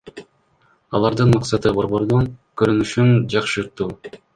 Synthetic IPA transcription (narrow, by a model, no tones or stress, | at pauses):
ɑlˠɑɾd̪ɯnmɑqsɑt̪ɯbo̞ɾbo̞ɾd̪oŋkøɾynyʃynd͡ʒɑqʃɯɾt̪uː